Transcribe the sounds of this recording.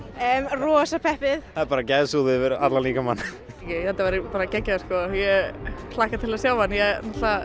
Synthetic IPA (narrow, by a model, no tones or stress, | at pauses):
ɛmrɔːsapʰɛhpɪðθaðpaːɾacajðsuːðɪvɪɾa̰t̪laliːkamanː | jɛθɛt̪ːavɛːɾɪpaːɾacɛcːaskɔjɛlaːhkat̪ʰɪlasjaːwanjɛnɛht̪la